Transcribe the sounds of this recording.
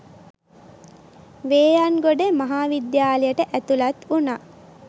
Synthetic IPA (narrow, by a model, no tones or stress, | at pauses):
ʋeːjanɡoɖemaɦaːʋid̪jaːlejəʈəʔæt̪ulat̪unaː